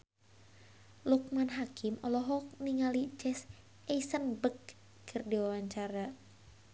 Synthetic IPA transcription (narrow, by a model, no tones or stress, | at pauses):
luk̚manɦakimɔlɔɦɔk̚niŋalid͡ʒɛs | eisənbək | kʰɨrdiwawaɲt͡ʃaɾa